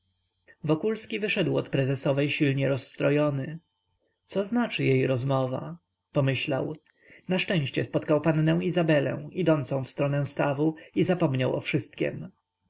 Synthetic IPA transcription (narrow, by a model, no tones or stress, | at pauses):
vɔkulskʲivɘʂɛd̪wɔ̰t̪pɾɛzɛsɔvɛjɕilɲɛɾɔsːt̪ɾɔjɔnɘ | t̪sɔznat͡ʂɘjejɾɔzmɔva̰ | pɔmɘɕlaw | naʂt͡ʂɛ̃w̃ɕt͡ɕɛspɔt̪kawpanːnɛw̃izabɛlɛ̰̃w̃id̪ɔnt̪sɔ̃w̃fst̪ɾɔnɛw̃st̪avuizapɔmɲawɔ̰fʂɘst̪̚kʲɛ̰m